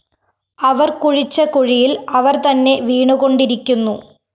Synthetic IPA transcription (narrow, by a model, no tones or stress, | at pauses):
ɐʋɐrkuɻit͡ɕːɐkuɻijilɐʋɐrt̪ɐnːe̞ʋiːɳuɣo̞ɳɖiɾikʲːunːu